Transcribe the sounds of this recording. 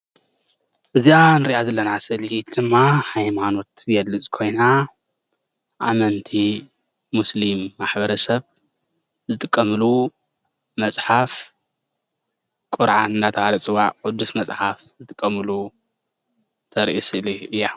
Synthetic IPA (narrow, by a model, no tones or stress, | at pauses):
ʔɨzianɨɾiʔazɐlːɐnasɐliit̪d̪ɨmːahajmano̞t̪jɛd̪ɨt͡sʼkʰo̞jna | ʔa̰mɐnt̪ʰi | muslimːaħbɐɾɐsɐβ | zɨt̪ʼɨkʼːɐmɨlu | mɐsʼħaf | kʼʊɾʕanɨnat̪ʰɐhalɐt͡sʼɨwaʕʔʊd̪usmɐsʼħafzɨt̪ʼɨkʼːɐmɨlu | t̪ʰɐɾʔisɨliʔɨjːa